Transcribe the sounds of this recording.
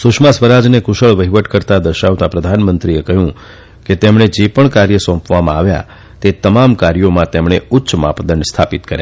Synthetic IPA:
sʊʃmãsʋəɾad͡ʒnekʊʃəɭʋəɦiʋəʈkəɾt̪ad̪əɾʃaʋt̪apɾəd̪ʱanmənt̪ɾiekəɦjũ | ket̪emɳ̃ed͡ʒepəɳkaɾjəsɔ̃pʋamãaʋja̰ | t̪et̪əmamkaɾjomãt̪emɳeʊtːʃma̰pd̪əɳɖst̪ʰapit̪kəɾja

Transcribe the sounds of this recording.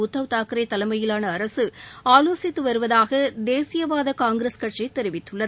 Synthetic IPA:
ʊt̪ːɐʋt̪aːkɯɾɐɪt̪ːɐlɐmɐjɪlaːnɐːɾɐsɯaːloːsɪt̪ːɯʋɐɾɯʋɐðaːɣɐd̪eːsɪjɐʋaːðɐkaːŋɡɾeskɐʈt͡ʃɐɪt̪ːɛɾɪʋɪt̪ːɯɭːɐð

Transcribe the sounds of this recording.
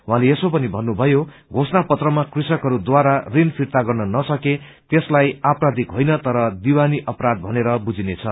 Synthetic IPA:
wɦãleesopʌnibʱʌnːubʱʌjo | ɡʱosnapʌt̪rʌmakrisʌkɦʌɾud̪waɾarinpʰirt̪aɡʌrnʌnʌsʌke | t̪eslajaprad̪ʱikɦojnʌt̪ʌɾʌd̪iwaniʔʌprad̪̚bʱʌneɾʌbud͡zinet͡sʰʌ

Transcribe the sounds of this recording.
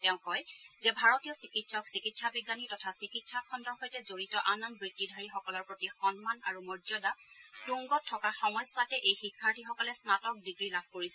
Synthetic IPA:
tɛʊ̃kɔjzɛbʱaɹotijɔsikitsɔksikitsabiɡːanitɔtʰasikitsakʰɔndɔɹxojtɛzoɹitɔʔanɔnbɹitːidʱaɹixɔkɔlɔɹpɹotixɔnmanaɹumɔɹzɔdatuŋɡɔtʰːɔkaxɔmɔjsʊatɛʔejxikʰːaɹtʰixɔkɔlɛsnatɔk̚diɡɹilab̚ʱkoɹisɛ

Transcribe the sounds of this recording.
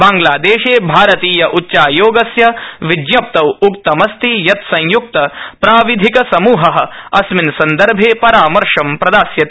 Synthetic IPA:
baːŋɡlaːd̪eːʃeːbʱaːɾɐt̪iːjɐʔutːʃaːjoːɡɐsjɐʋid̪jɐp̚t̪ɐwukt̪ɐmɐst̪ijɐt̪sɐ̃jjuk̚t̪ɐpɾaːʋid̪ʱikɐsɐmuːɦɐɦɐ̆ɐsminsɐnd̪ɐɾbʱeːpɐɾaːmɐɾʂɐmpɾɐd̪aːsjɐt̪

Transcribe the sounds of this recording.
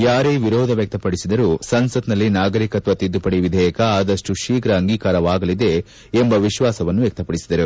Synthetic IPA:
jaːɾeːʋiɾɔːd̪ʱɐʋjɐk̚t̪ɐpɐɽisid̪ɐɾuːsɐnsɐt̪nɐlːinaːɡɐɾikɐt̪ʋɐt̪id̪ːupɐɽiʋid̪ʱɛːjɐkɐaːd̪ɐʂʈuʃiːkɾɐːŋɡiːkaːɾɐʋaːɡɐlid̪e̞ː | mbɐʋiʃʋaːsɐʋɐnːuʋjɐk̚t̪ɐpɐɽisid̪ɐɾu

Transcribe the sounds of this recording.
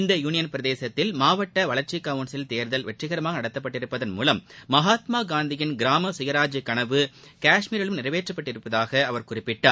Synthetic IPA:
ɪnd̪ɐjuːnɪjɐnpɪɾɐðeːsɐt̪ːɪlmaːʋɐʈːɐʋɐɭɐɾt͡ʃɪkaʋɯnsɪlt̪eːɾðɐlʋɛʈrɪɣɐɾɐmaːɣɐnɐɽɐt̪ːɐpːɐʈːɪɾɯpːɐðɐnmṵːlɐmːɐɦaːt̪maːɡaːnd̪ɪjɪnɡɪɾaːmɐsɪjɐɾaːd͡ʒikːɐɳɐʋɯ | kaːʂmiːɾɪlɯmnɪrɐʋeːʈrɐpːɐʈːɪɾɯpːɐðaːɣɐɐʋɐɾkʊrɪpːɪʈːaːɾ

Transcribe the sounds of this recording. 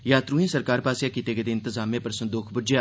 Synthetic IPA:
jaːt̪ɾuːɦẽːsəɾkaːɾpaːsjaːkit̪eɡəd̪eɪnt̪əzaːmẽːpəɾsə̃nd̪uːkʰbʊɾd͡ʒja

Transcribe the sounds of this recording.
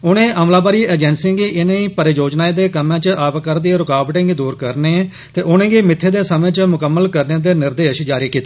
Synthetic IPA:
ʊnẽːʔəːmlaːbaːɾiːəːd͡ʒɛːnsɪ̃ːŋɡiːʔɪnẽːĩːpəɾed͡ʒoːd͡ʒnaːeːd̪eːkəmãːt͡ʃəʔaːbkəɾd̪ieɾʊkaːbʈɪ̃ːŋɡiːd̪uːɾkəɾneː | t̪eːʔʊnẽːɡiːmɪt̪ʰːeːd̪eːsəmẽːt͡ʃmʊkəmːəlkəɾnẽːd̪eːnɪɾd̪eːʃd͡ʒaːɾiːkiːt̪eː

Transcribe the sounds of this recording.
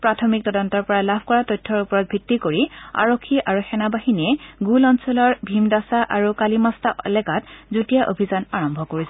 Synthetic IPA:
pɹatʰɔmik̚tɔdɔntɔɹpɔɹalabʰʱkɔɹatɔjtʰːɔɹupɔɹɔt̚bʱitːikoɹia̰ɹokʰːiʔaɹuxɛnabahiniɛɡulɔnsɔlɔɹbʱimdasaʔaɹukalimastalɛkatzutijaʔo̰bʱizanaɹɔmbʱɔkoɹisɛ

